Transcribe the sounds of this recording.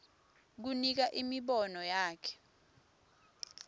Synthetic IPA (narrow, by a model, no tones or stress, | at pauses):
k̬unik̬aʔimiɓɔnɔjaːkʰɛ̥